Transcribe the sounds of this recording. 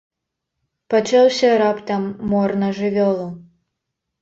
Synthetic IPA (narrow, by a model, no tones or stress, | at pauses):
pat͡ʂawsʲɐɾapt̪ɐmːɔrnɐʐɨvʲɔlˠu